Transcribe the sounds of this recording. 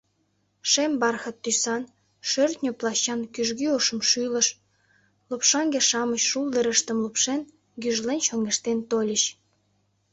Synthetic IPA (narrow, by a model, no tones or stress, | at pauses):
ʃembɑrxə̆t̪ːysɑn | ʃørt̪nʲoplɑɕɑnkyʒɣyoʃə̆mʃylə̆ʃ | lopʃɑŋɡeʃɑməɕʃulˠd̪əɾəʃt̪ə̆mlupʃen | ɡyʒlenɕoŋɡeʃt̪ent̪olʲəɕ